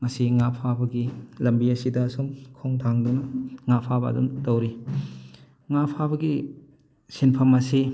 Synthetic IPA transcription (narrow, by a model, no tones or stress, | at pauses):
ŋɐsiŋapʰabɐɡilɐmbiɐsidɐːsumkʰoŋtʰaŋdunɐŋapʰabɐ̰ɐ̰dṵntɐwɾi | ŋapʰabɐɡi | sinpʰɐmɐsi